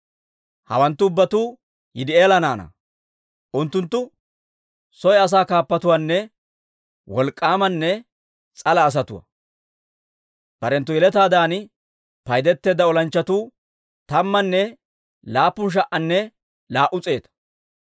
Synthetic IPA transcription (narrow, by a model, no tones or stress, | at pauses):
hɐ̰wɐnt̪ːʊʊbːɐt̪uː | jɪd̪ɪeːlɐnaːnɐ̰ | ʔʊnt̪ːʊnt̪ːʊ | sɔjɐs̬aːkaːpːɐt̪ʊwaːnːɛ | wɔlkʼːaːmɐnːɛ | t͡sʼɐlɐːs̬ɐt̪ʊwɐ̰ | b̥ɐɾɛnt̪ːʊjɛlɛt̪aːd̪aːn | pɐjd̪ɛt̪ːe̞ːd̪ːɐɔlɐnt͡ʃːɐt̪uː | t̪ɐmːɐnːɛ | laːpːʊnʃ̬ɐʔʔɐnːɛ | laːʔʊt͡sʼe̞ːt̪ɐ̥